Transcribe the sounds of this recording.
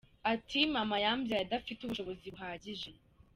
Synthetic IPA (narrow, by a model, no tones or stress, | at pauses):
atʰimamajambjajadafituβuʃo̞βo̞ziβuɦaːɟiʒe